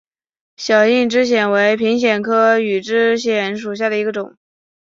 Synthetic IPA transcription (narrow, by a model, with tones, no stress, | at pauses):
ɕjɑ˨˩ʊi˥˩nʈ͡ʂɻ̩˥ɕ̬jɛ˨˩nwe˧˥ɪpʰi˧˥ŋɕ̬jɛ˨˩nkʰɤ˥y˨˩ʈ͡ʂɻ̩˥ɕjɛ˨˧˥nʂ̬u˨˩ɕ̬ja˥˩d̪ə˩i˧˥ɡə˧ʈ͡ʂʊ˨˩˦ŋ